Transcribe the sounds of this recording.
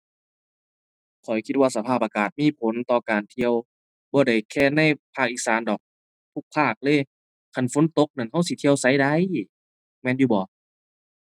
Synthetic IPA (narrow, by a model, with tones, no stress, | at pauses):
kʰɔ˨˩jkʰi˧t̪̚waː˧˩sa˧pʰaː˧˩p̚ʔaː˧kaː˨˩t̪̚miː˧˥˨pʰo˨˦nt̪ɔː˧kaː˨˩nt̪ʰi˧əw | bɔː˧˦da˧˩jkʰɛː˧˩na˧˥˨jpʰaː˧˩k̚ʔiː˧˩saː˨˦ndɔː˨˩k̚ | t̪ʰu˧˩k̚pʰaː˧˩k̚lɤː˧˨ | kʰa˧˩˨nfo˧˦nt̪o˧˦k̚na˧˩˨nha˧˥˨wsi˧˦t̪ʰi˧əwsa˧˥˨jda˧˦˨j | mɛː˧˥˨njuː˧bɔː˨˦